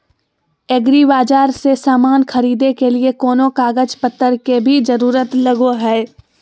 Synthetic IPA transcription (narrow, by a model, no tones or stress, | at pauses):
eːɡɾibaːd͡ʒaːɾsesaːmaːnxɐɾiːd̪ekeliekɔːnõkaːɡəd͡ʒpət̪ːəɾkebʱid͡ʒɐɾuːɾət̪lɐɡoɦɛː